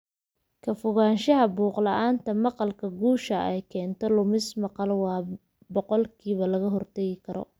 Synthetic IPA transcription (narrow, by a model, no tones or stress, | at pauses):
kʰɐfʊɣaːnʃɐɦɐbuːqlɐʔaːnt̪ʰɐmɑqɑlkʰɐɡuːʃɐʔɛjkʰɛːnt̪ʰɔlʊmɪsmɑqɑlwɑː | bɔqɔlkʰiːβɐlɐɣɐɦɔrt̪ʰɛɣɪkʰɐɾɔ̰